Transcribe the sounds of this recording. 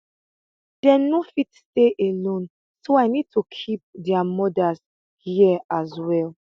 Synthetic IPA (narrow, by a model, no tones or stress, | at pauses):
d̥ɛnofitsteʔelõn | soajnid̚tʰukʰip̚dɛamɔdas | hiazwɛl